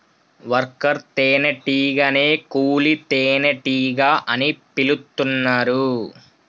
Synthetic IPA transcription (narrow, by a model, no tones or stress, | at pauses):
ʋɐɾkɐɾt̪eːnɐʈiːɡɐneːkuːlit̪eːnɐʈiːɡaːʔɐnipilut̪ːunːaːɾu